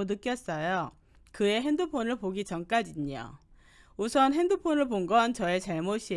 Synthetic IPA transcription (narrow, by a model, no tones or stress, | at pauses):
unɯk͈jʌs͈ʌjo | kɯe̞ɦe̞ndɯpʰonɯɭpoɡit͡ɕʌnk͈ad͡ʑiɲo̰ | usʰʌnɦe̞ndɯpʰonɯɭpoŋɡʌnt͡ɕʌe̞t͡ɕaɭmoɕ͈ʰi